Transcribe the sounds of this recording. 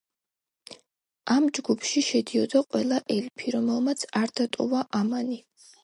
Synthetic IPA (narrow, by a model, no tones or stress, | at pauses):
amd͡ʒɡupʰʃiʃɛd̪iɔd̪aqʼwɛlˠaʔɛlpʰiɾɔmɛlˠmat̪sʰaɾd̪̥at̪ʼɔvaʔamani